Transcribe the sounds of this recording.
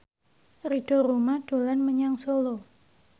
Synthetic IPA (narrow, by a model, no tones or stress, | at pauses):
riɖ̥o̤ɾumaɖ̥o̤lanməɲaŋsolo